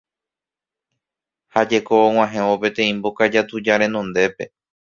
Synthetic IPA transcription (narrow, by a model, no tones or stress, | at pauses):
had͡ʒe̞koːw̃ãɦẽ̞ope̞t̪ẽ̞ĩmbokad͡ʒat̪ud͡ʒaɾẽ̞nõ̞nd̪e̞pe̞